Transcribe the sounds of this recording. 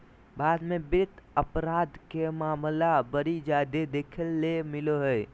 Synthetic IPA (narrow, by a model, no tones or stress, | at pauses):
baːd̪mẽbɪɾɪt̪ʰəpɾaːd̪kemaːmlabəɾid͡ʒaːd̪ed̪eːkʰəlːemɪloɦəj